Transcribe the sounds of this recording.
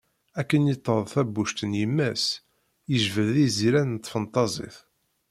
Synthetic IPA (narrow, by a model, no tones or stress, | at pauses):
ækːənjɪt̪ˤːəðˤθæbːuʃt̪ənjəmːæs | jəʒvəðiziɾænnt̪ˤːfənt̪ˤːɑzˤḭθ